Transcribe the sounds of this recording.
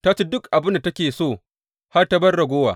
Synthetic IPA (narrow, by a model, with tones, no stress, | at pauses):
ta˦t͡ʃe˦dʊ˦kʔa˨bɪ˦nda˨tɐ˦kʲeː˨soː˦˨ | ha˦rta˦bɐ˦rɽɐ˨ɡʷoː˦wa̰ː˨